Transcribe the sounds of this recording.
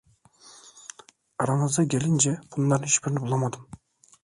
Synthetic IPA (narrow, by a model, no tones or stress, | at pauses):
ɑɾɑɴɯzd̪ɯɡʲelind͡ʒebund̪ɑniʃbiɾnɪpbulˠɑmɑd̪ɯm